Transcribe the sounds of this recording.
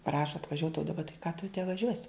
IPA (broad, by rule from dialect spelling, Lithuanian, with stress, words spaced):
ˈprɑːʃoː ɐtʋɐˈʒʲuɔt oː dɐˈbɐ tɐɪ kɑː tʊ tʲɛ ʋɐˈʒʲuɔsʲɪ